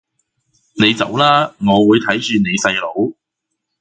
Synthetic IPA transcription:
ne˨˧jt͡sɐ̰˨˥wlaː˥ŋɔː˨˧wuː˨˧jt̪ʰɐ˨˥jt͡ʃyː˧ne˨˧jsɐ˧jlo˨˧˥w

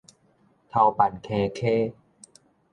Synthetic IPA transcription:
t̪ʰa˧wpa˨˩nkʰɛː˧kʰeː˥˩

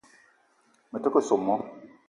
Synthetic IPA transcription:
mɛ˨te˦ko˦˨so˨mːɔ˦

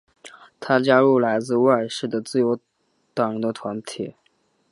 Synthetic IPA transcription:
t̪ʰa˥t͡ɕja˥ɻu˥˩la˧˥ɪt͡sɹ̩˥˧wa˥˧ɪʂɻ̩˥˩d̪ə˩t͡sɹ̩˥˩jo˧˥ʊ | t̪ɑ˨˩ŋɻə˧˥nd̪ə˧t̪ʰwa˧˥nt̪ʰi˨˩˦

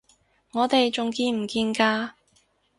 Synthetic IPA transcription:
ŋɔː˨˧t̪e˨jt͡sʊ˨ŋkiː˧m̩˨˩kiː˧nkaː˧

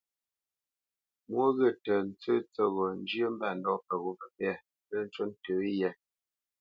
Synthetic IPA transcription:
mwo˦ɣə˦˨tə˨n̩˦t͡sə˦t͡sə˦˨ɣɔ˨n̩˦d͡ʒjə˦m̩˦ba˦˨n̩˨dɔ˦˨pə˨ɣo˦pə˨pɛ˦˨ | pə˦n̩˦t͡ʃə˦n̩˦tə˨˦jɛ˦˨

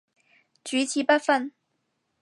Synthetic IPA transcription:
t͡ɕy˧˥t͡ɕʰi˧˥pa˥nfə˥˧n

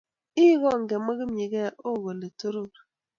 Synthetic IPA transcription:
i˦ɣɔ˦˨ŋ˨ɡe˨mə˦ɣi˦m˨i˨ɣɛ˦˨o˦˨ɣo˨le˨to˦ɾo˦k

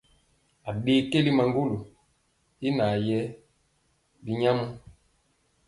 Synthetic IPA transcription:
a˨ɓeː˦ke˦li˦ma˨ŋɡu˦lu˨ | i˦na˨jɛ˦ | bi˨ɲa˦mu˦

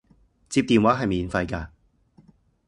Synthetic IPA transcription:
t͡siː˧p̚t̪iː˨˩nwaː˨˥ɦɐ˨jmiː˨˧nfɐ˧jkaː˧

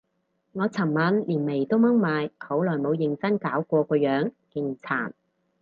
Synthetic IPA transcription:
ŋɔː˨˧t͡sʰɐ˨˩ŋmɐ˨˥nliː˨˩nme˨˩jt̪o˥wmɐ˥ŋmaː˨˧jho˨˥wlɔː˨˩jmo˨˧wjɪ˨˩ŋt͡sɐ˥nkaː˨˥wkʷɔː˧kʷɔː˧jœː˨˥ŋkɪ˧ŋt͡sʰa̰ː˨˩n

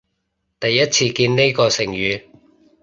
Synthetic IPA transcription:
t̪ɐ˨jːɐ˥t̚t͡sʰiː˧kiː˧nne˥jkɔː˧sɪ˨˩ŋjyː˨˧

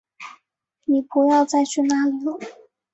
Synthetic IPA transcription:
ni˨˩pu˧˥jɑ˥˧ʊt͡sa˥˧ɪt͡ɕʰy˥˩na˥˩li˧˩lu˥˩˦

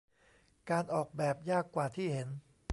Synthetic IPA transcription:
kaː˧nʔɔː˨˩k̚bɛː˨˩p̚jaː˥˩kːwaː˨˩t̪ʰiː˥˩he˩˦n

